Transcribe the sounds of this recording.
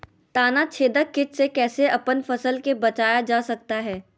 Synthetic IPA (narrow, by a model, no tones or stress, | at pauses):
t̪aːnat͡ʃʰeːd̪əkɪt͡ʃsekɛːseʔɐpənfɐsəlkebɐt͡ʃaːjad͡ʒaːsɐk̚t̪aɦɛː